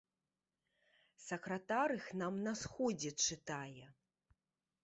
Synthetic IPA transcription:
sɐkɾɐt̪aɾɨxnamnasxɔd͡zʲɛt͡ʂɨt̪ajɛ

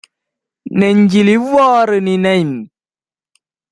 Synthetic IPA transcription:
nɛɲd͡ʒiliwɔːɾɨninɛjm

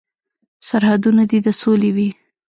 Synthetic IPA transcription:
saɾhad̪unad̪id̪əsolewi

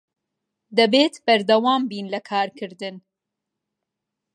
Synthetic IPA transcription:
d̪ɐbeːt̪bɐɾd̪ɐwaːmbiːnlɐkʰaːɾkʰɨɾd̪ɨn

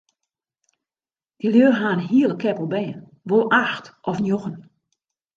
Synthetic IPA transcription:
d̥iljøːrɦaːnɦiəlˠəkʰɛpəl̩ˠbɛːən | ʋolˠʔaxtʔɔfnjoxən

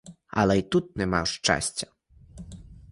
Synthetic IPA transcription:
ɐ̰lˠɛjt̪ut̪̚nɛma̰wʂt͡ʂa̰sʲt͡sʲɐ̥

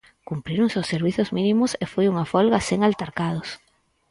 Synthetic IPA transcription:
kumpɾiɾoŋsosːeɾβiθʊzminĩmʊsefojuŋafɔlɣaseŋalt̪aɾkað̞ʊs

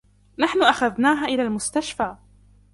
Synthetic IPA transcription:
naħnʊʔaxaðnaːɦaʔɪlaːlmʊst̪aʃfaː

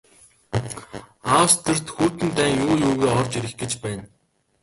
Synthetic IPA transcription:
aːwst̪ʰɘ̆r̥t̪xuːt̪ɘ̆nt̪æːŋjuːjuːɣeːɔrt͡ɕiɾɘ̆xɡet͡ɕpæːn

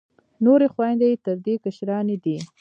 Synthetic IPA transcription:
noɾexwɑjnd̪eet̪əɾd̪ekaʃɾɑned̪i

